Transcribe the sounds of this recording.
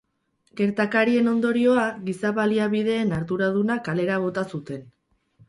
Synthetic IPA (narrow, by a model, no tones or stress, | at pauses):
ɡe̞ɾt̪akaɾie̞no̞nd̪o̞ɾio̞aɣisaβaliaβiðe̞ːnaɾðuɾað̞unakale̞ɾaβ̞o̞t̪asut̪e̞n